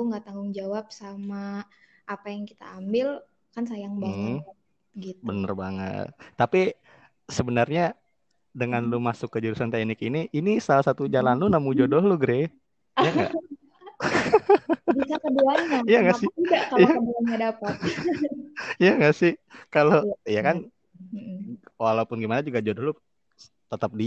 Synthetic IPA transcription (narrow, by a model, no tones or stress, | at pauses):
uŋɡat̪aŋɡʊŋd͡ʒawap̚sama | ʔːpajaŋki̥t̪a̰ːmbɪl | kansajaŋba | ɡibənə̰rbaŋə̰t̪̚ːapi | səbənarɲa | dəŋanlumasʊkːəd͡ʒuɾusant̪ɛknɪkiniʔinisalasat̪ud͡ʒalanlʊnamud͡ʒodɔhlʊɡɾe | jaŋɡa̰ | bisakəduanɲajaŋɡasɪidakajaəduanɲadapa | jaŋɡaʔsɪhkaloijakan | walaupʊnɡimanad͡ʒuɡad͡ʒodɔhlʊ | t̪ət̪əp̚di